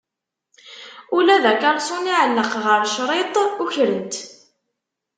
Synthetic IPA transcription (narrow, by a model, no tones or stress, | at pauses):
ulæðækɑɾˤsˤuniʕəlːəqʁəɾʃɾˤet̪ˤuçɾənt̪